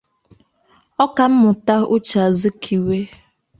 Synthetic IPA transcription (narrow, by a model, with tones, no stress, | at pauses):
ɔ˦ka˨m̩˦mʊ˨ta˦ʊ˦t͡ʃa˨zʊ˦kʰi˨we˦